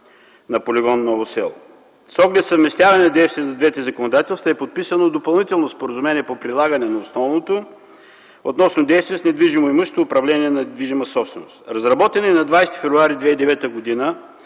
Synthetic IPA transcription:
nɐpolʲiɡɔnːɔvosɛ̰lˠ | sɔɡlɛt̪səvmɛst̪ʲjavɐnɛnɐd̪ɛjst̪vʲiɛnɐd̪vɛt̪ɛzəkonod̪at̪ɛlˠst̪əɛpot̪̚pisənod̪opɐlˠnit̪ɛlˠnospoɾəzumɛniɛpopɾilˠaɡənɛnɐosnɔvnot̪o | ot̪nɔsnod̪ɛjst̪viɛsnɛd̪viʒimoiməʃe̥t̪oʊpɾɐvlɛniɛnɐd̪viʒiməsɔpst̪vɛ̰no̰st̪ɾɐzɾɐbɔt̪ɛnɛnɐd̪vajst̪i̥fɛvɾʊaɾid̪vɛid̪ɛvɛt̪əɡod̪inə

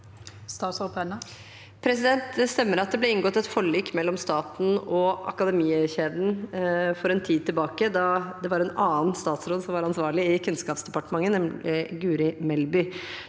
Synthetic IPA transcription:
st̪ɑːsɔlpʰɛnɑ | pʰɾɛsɪd̪ɛnt̪st̪ɛmːəɾɑt̪̚d̪ɛblɛɪŋɡɔt̪ːɛt̪fɔɭiːkmɛlːɔmst̪ɑːt̪n̩ɔɑ̰kɑd̪ɛmiːɛçeːd̪n̩fɔɾɛnt̪ʰiːd̪̚t̪ʰːɪlbɑːkəd̪ɑd̪ɛʋɑɾɛnɑːənst̪ɑːt̪sɾoːd̪sɔmʋɑɾɑnsʋɑːɾɭɪɪkʰʉnskɑːpsd̪ɛpɑʈəmɑŋːənɛmɪɡʉːɾɪmɛlbʏ

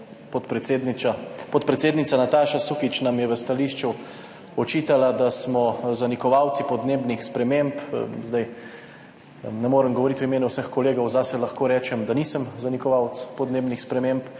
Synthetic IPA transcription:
pɔt̪pɾɛt̪sed̪nit͡ʃapɔt̪pɾɛt̪seːd̪nit̪sanat̪aːʃasukit͡ʃnamjɛʋəst̪aliʃt͡ʃu | ɔt͡ʃiːt̪alad̪asmɔzanikɔʋawt̪sipɔd̪neːbnixspɾɛmempzd̪aj | nɛmoːɾəmɡɔʋɔɾit̪wimeːnuwsəxkɔleːɡɐwzaːsɛlɐxkoːɾɛːt͡ʃɛmd̪anisəmzanikɔʋawt̪spɔd̪neːbnixspɾɛmemp

